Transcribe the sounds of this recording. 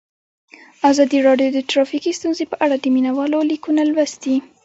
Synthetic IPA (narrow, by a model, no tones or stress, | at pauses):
azɑd̪iɾɑɖjod̪əʈɾɑfikist̪unzepəʔaɽad̪əminawɑlolikunalwasd̪i